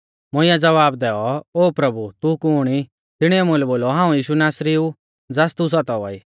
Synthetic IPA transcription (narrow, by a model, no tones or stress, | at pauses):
mʊɪ̃jãd͡zɐʋaːbd̪ɛːɔoːpɾɐbut̪ukuɽ̃i | t̪ɪɽ̃iɛmʊ̃lɛboːlɔɦãːũjiːʃunaːsɾiu | d͡zast̪us̬ɔt̪ɔʋaiː